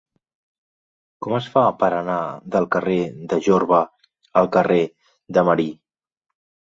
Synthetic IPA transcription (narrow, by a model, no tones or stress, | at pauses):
kɔməsfapəɾənaðəlˠkəreðəʒoɾβə | əlˠkəre | ðəməɾi